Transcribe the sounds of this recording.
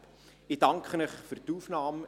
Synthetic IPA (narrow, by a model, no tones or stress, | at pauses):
id̥ɑŋkχənəχfyɾt̪uːfnɑːm